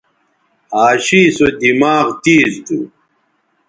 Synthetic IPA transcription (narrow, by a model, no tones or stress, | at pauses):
aːɕiːsod̪imaːɣt̪iːzd̪u